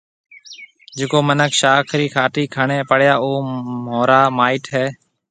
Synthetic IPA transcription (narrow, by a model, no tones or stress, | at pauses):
d͡ʒɪkoːmənəkʰʃaːkʰɾiːkʰaːʈiːkʰəɳẽːpəɽjaːoːmoːɾaːmaːɪʈɦɛː